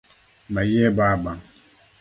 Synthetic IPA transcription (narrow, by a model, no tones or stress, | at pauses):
majɛbaːbaŋ